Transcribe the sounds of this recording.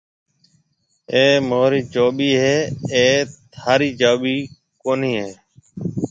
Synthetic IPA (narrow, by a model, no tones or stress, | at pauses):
eːmoːɾiːd͡ʒoːɓiːɦeːeːt̪ʰaːɾiːd͡ʒoːɓiː | koːniːɦeː